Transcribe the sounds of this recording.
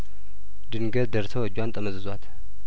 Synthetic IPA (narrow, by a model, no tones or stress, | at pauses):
d̪ɨnɡəd̪d̪əɾsʰəwəd͡ʒwant̪ʼəməzɨzwat̪